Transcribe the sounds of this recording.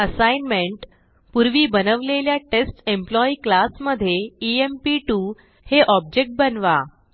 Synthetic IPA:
əsajnmeɳʈ | puɾʋiːbənəʋleljaʈesʈemplɔiklasməd̪ʱːjeiempiʈuː | heʔɔb̚d͡ʑek̚ʈ̚bənʋa

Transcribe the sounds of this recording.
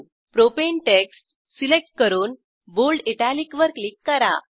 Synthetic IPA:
pɾopeɳʈeksʈ | silek̚ʈ̚kəɾuːn | bolɖiʈalikʋəɾklikːəɾa̰

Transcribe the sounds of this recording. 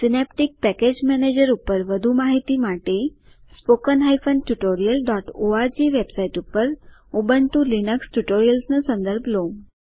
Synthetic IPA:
sinɛp̚ʈik̚pɛked͡ʑmɛned͡ʑəɾupəɾʋəd̪ʱumaɦit̪iːmaʈe | spokənɦajfəɳɖʈuʈoɾijəlɖɔʈoad͡ʑiʋebsaiʈupəɾobənʈ̪ulinəksʈuʈoɾijəlsnəsə̃nd̪əɾbʱlom

